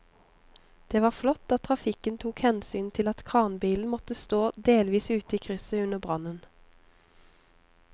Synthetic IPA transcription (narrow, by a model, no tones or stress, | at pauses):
d̪̥eːʋɑːflɔt̪ːɑtt̪ʰʁɑfɪkənt̪ʰuːkhɛnsyːnt̪ʰɪlɑt̪kʰʁɑːʁnbiːln̩mɔt̪əst̪oːd̪eːlʋiːsʉːt̪əiːkʰʁʏsəʉnəbʁɑnən